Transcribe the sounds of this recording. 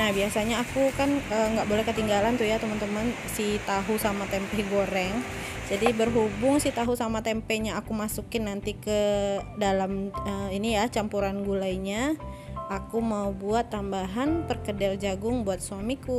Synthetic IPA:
nahbiasaɲaːkukanəŋɡaʔbolɛhkət̪iŋɡalant̪ujat̪əmant̪əman | sit̪aɦusamat̪ɛmpɛhɡoɾɛŋ | d͡ʒadibərɦubʊŋsit̪aɦusamat̪ɛmpɛɲaːkumasukɪnːant̪ikədalaməinijat͡ʃampuɾanɡulajɲa | akumaubuat̪ːambaɦanpərkədald͡ʒaɡʊŋbuat̪̚suamiku

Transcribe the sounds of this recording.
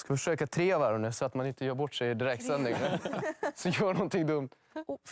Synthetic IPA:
skafœʂøːkat̪ʰɾeːavaɾɵnʉ̟ːsɔat̪manɪnt̪əjœːɾbɔʈːʂɛjd̪ɪɾɛk̚t̪sɛnd̪ɪŋ | sɔjœːɳɔnt̪ɪŋd̪ɵmt̪

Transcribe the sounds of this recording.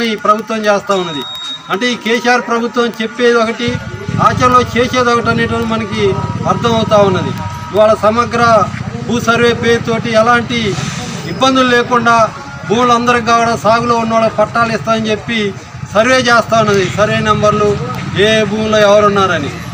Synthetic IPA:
nipɾɐbʱut̪ʋɐmt͡ʃeːst̪aːunːɐd̪i | ɐɳʈe̞ːiːkeːsiaːɾpɾɐbʱut̪ʋɐmt͡ʃe̞pːe̞ːd̪ɔkɐʈiaːt͡ʃɐmlo̞ːt͡ʃeːʃe̞ːd̪ɔkɐʈɐnːiːʈɐnumɐnɐkiɐɾt̪ʰɐmɐwut̪aːunːɐd̪ḭ | iʋaːɭɐsɐmɐɡɾɐbʱuːsɐɾʋe̞ːpeːɾt̪o̞ːʈiɛlaːɳʈiibːɐnd̪ululeːkuɳɖaː | bʱuːmlɐnd̪ɐɾɐɡaːkuɽɐsaːɡuloːunːɐʋaːɭɐpɐʈːaːlist̪aːɐnt͡ʃe̞pːi | sɐɾʋe̞ːt͡ʃeːst̪aːunːɐd̪isɐɾʋe̞ːnɛmbɐɾlueːbʱuːmloːɛʋɐɾunːaːɾɐnḭ

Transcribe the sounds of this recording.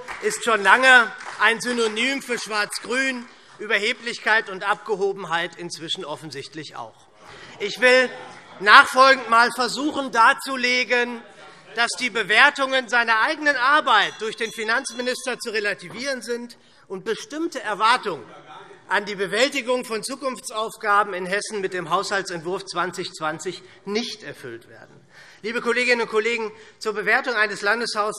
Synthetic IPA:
ʔɪstʃoːnlaŋəʔaɪnzynonyːmfyːɐʃv̥aɐt͡sɡ̥ʁyːn | ʔyːbɐɦeːplɪçkʰaɪtʊntʔap̚ɡ̥əɦoːbm̩ɦaɪtɪnt͡sv̥ɪʃn̩ʔɔfn̩zɪçtlɪça̰ʊx | ʔɪçv̥ɪlnaːχfɔlɡŋ̩tmaːlfɛɐzuːχn̩daːt͡suleːɡən | d̥asd̥iːbəveːɐtʊŋənzaɪnɐʔaɪɡənənʔaɐbaɪt̚d̥ʊɐçd̥eːnfinant͡smɪnɪstɐt͡suʁelatʰiviːʁ̞ənzɪnt | ʔʊnt̚b̥əʃtɪmtəɛɐvaɐtʊŋənʔandiːbəvɛltɪɡʊŋfɔnt͡suːkʊnft͡sʔaʊfɡ̥aːbm̩ɪnɦɛsn̩mɪt̚d̥eːmɦaʊshaltt͡sɛntv̥ʊɐft͡sv̥ant͡sɪçt͡sv̥ant͡sɪç | nɪçtʔɛɐfʏ̰ltv̥ḛːɐdn̩ | liːbəkoleːɡɪnənʊnt̚kʰoleːɡŋ̩t͡suːɐbəveːɐtʊŋʔaɪnəslandəshaʊs

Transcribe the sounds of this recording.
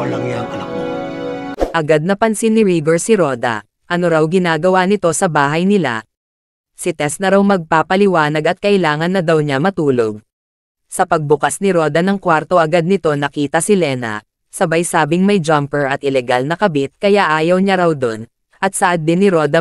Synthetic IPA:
ɐlɐŋɲaŋʔɐlɐko | ʔɐɡad̪̚nɐpɐnsinːɪɾiɡoɹsɪɾo̞d̪ɐ̰ | ʔɐno̞ɾawɡɪnaːɡɐwanɪt̪o̞sɐbaːɦɐjnɪla̰ | sɪt̪ɛst̪nɐɾawmɐɡ̚paːpɐlɪwaːnɐɡɐt̪̚kɐʔɪlaːŋɐnːɐd̪awɲamɐt̪uːloɡ̚ | sɐpɐɡ̚bʊkasnɪɾo̞d̪ɐnɐŋkwaɾt̪o̞ʔɐɡad̪̚nɪt̪o̞nɐkiːt̪ɐsɪlɛːnɐ̰ | sɐbɐjsaːbɪŋmɐjd͡ʒampɛɹɐt̪ʔɪlɛɡalnɐkɐbɪt̪̚kɐjaʔaːjɐwɲaɾɐwd̪o̞n | ʔɐt̪̚sɐʔɐd̪ːɪnːɪɾo̞d̪ɐ

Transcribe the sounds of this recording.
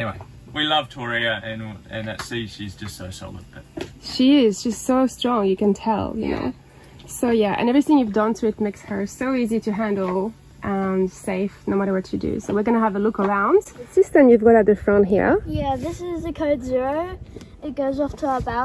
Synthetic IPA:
ɛniweɪ | wilʌv̥tʰɔɹiəɨ̃nɨ̰̃nɨtsiʃizd͡ʒʌstsoʊsɔ̰lˠə̰d̚b̥ʌʃiɪzʃʌstsoʊstɹ̥ɔ̃ŋjɨkɨ̃ntʰɛ̰lˠjɨ̰no̰ʊ | soʊjæʔɨ̰̃nɛvɹiθɪ̃ŋjʉvdʌ̃ntʰɨɨt̚meɪkshə˞soʊiziɾɨɦæ̃ndˡl̩ˠ | ʔə̃nseɪfnoʊmæɾə˞wʌt͡ʃɨdɨ̰soʊwɨɹɡʌnəːvəlʊkə˞ãʊ̃nd̥ɨsɪstə̃njʉvɡɑɾaʊt̪̚ðɨfɹʌ̃ntɦḭɹjæðɪsɪzɨkʰoʊdzɪɹoʊ | ɪt̚ɡ̥oʊzɔftʰəabaʊ

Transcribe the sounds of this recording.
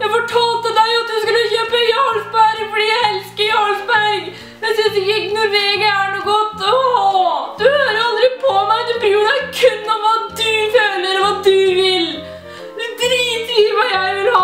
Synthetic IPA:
jæɪfɔʈʰɑːlt̪əd̪æɪɑt̪̚d̪ʉskɑləçøːpəjoɔlbæɾfɔɖiːjæɪɛlskəɾjɔlbæɾɡ | mɛsɪd̪ɪɪɡnʊɾeːɡəæɳuːɡɔt̪ːɔ | d̪ʉhøːɾəɾɑlˠd̪ɾɪpʰɔmæɪd̪ʉbiːʊd̪ɛkʰʉnːɔmʋɑd̪ʉføːləɾʋɑd̪ʉʋɪl | d̪ʉd̪ɾiːsiːəɾʋɑjæɪʋɪlɑ

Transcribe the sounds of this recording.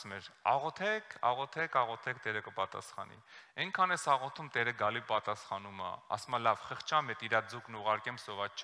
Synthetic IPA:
smɛɾɑ̰ʁɔt̪ʰɛkʰɑ̰ʁɔt̪ʰɛkʰɑʁɔt̪ʰɛk̚ʰt̪ɛɾəkəpɑt̪ɑ̰sχɑ̰nḭɛŋkʰɑnɛsɑʁɔt̪ʰumt̪ɛɾəɡɑlipɑt̪ɑsχɑnumɑ̰ɑ̰sumɑlɑvχəχt͡ʃʰɑmɛt̪iɾɑd͡zuknuʁɑɾkɛmsɔvɑt͡st͡ʃʰ

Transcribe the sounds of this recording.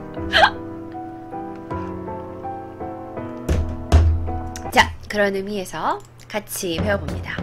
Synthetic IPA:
t͡ɕakɯɾʌnɯmie̞sʰʌ | kat͡ɕʰipe̞ʌbomɲida

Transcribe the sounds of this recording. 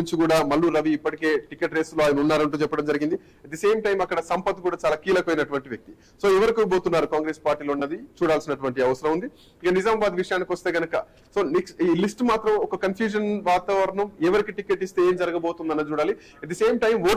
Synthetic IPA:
uɲt͡ʃikuːɽaːmɐlːuːɾɐʋiːpːɐʈike̞ːʈikeʈɾe̞ːsloaːjɐnɐunːaːɾɐɳʈ̬uːt͡ʃɛpːɐɽɐmd͡ʒɐɾiɡind̪i | ɐt̪ːise̞ːmʈɐjmɐkːɐɽɐsɐmpɐt̪kuːɽaːt͡ʃaːlaːkiːlɐkɐʋɐjnɐʈuʋɐɳʈiʋjɐk̚t̪i | so̞ːɛʋɐɾikubo̞ːt̪unːaːɾukaːŋɡɾe̞ːspaːɾʈiːloːunːɐd̪it͡ʃuːɽaːlsinɐʈuʋɐɳʈiɐʋɐsɐɾɐmund̪i | ikɐnizaːmɐbaːd̪ʋiʂɐjaːnikiʋɐst̪eːɡɐnɐkɐ | so̞ːniksiːlisʈmaːt̪ɾɐmɔkɐkɐnpʰjuːd͡ʒɐnʋaːt̪aːʋɐɾɐɳɐmɛːʋɐɾikiʈikeʈːist̪e̞eːmd͡ʒɐɾɐɡɐbo̞ːt̪und̪ɐnːɐːt͡ʃuːɽaːli | ɐd̪iseːmʈɐjmʋo̞ː

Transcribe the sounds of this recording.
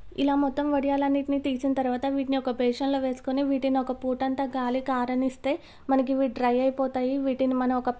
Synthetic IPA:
ḭlaːmɔt̪ːɐmʋɐɽijaːlɐnːiːʈinit̪iːt͡ʃinɐt̪ɐɾʋaːt̪ɐʋiːʈiniɔkɐbʱɛːʂɐnloːʋe̞ːsu̥koniʋiːʈiniɔkɐpuːʈɐnt̪aːɡaːlikaːɾɐɳist̪e̞ː | mɐnɐk̬iʋiːɖɾɐjɐjpɔːt̪aːjiʋiːʈinimɐnɐmɔkɐ

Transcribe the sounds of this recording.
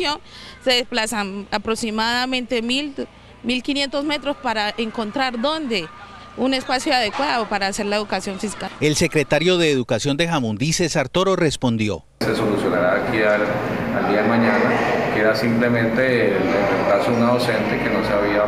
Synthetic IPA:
jo̞nseðesplasanapɾoksimaðamẽ̞nt̪e̞mil | milkinje̞nt̪o̞zme̞t̪ɾospaɾaeŋko̞nt̪ɾaɾd̪o̞nd̪e̞ | une̞spasjoaðe̞kwaðopaɾaːse̞ɾlaeðukasjo̞ɱfiskae̞lse̞kɾe̞t̪aɾjo̞ðe̞ːðukasjo̞nd̪e̞xamund̪ise̞saɾt̪o̞ɾo̞re̞spo̞nd̪jo̞̰ | se̞so̞lusjo̞naɾaːkiaald̪iaðemãɲanakeɾasimple̞mẽnt̪elet̪et̪lasounaðo̞se̞nt̪e̞ke̞no̞saβia

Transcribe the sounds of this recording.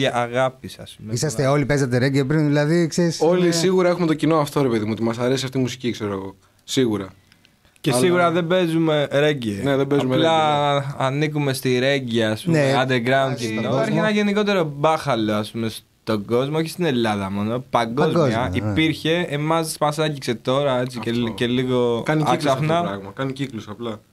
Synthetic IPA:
ɐʔːɣɐpisɐspumeisɐst̪eo̞lipezɐt̪̬eɾeɟep̬ɾinðilɐðikseɾisolisiɣuɾɐe̞xume̞t̪ocinoɐft̪o̞ɾepe̞ðimuot̪imɐsɐɾe̞s̬iɐft̪imus̬i̥cikse̞ɾoɣo̞ | siɣuɾɐ | cesiɣuɾɐðe̞be̞zume̞ɾe̞ɲɟeneðebezumelɐː | nikume̞st̪iɾe̞ɟiɐːspuneɐnd̪eɾɡɾɐund̪eɐɾçienɐʝe̞niko̞t̪e̞ɾo̞bɐxɐlo̞ɐspume̞s | t̪o̞ɡo̞zmooçist̪ine̞lːɐðɐmo̞no̞pɐŋɡozozɐipiɾçe̞ːmɐsmɐsɐɟikse̞t̪o̞ɾɐe̞t͡sieceliɣo̞kɐniikssɐfnɐɾɐɣmɐkɐniciklusɐplɐ

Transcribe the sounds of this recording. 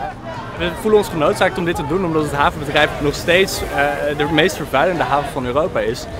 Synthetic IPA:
ʋəvulənɔnsχənowtsaːk̚tɔmdɪtədunɔmdɑtɦətɦaːvənbədrɛjpnɔχstejtsdəmejstfəɹvɛɥləndəɦaːvəvɑnyːrowpaːɪs

